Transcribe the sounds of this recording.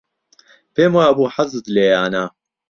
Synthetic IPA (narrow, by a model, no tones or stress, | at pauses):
peːmwaːɐbuːħazɨd̪leːjaːna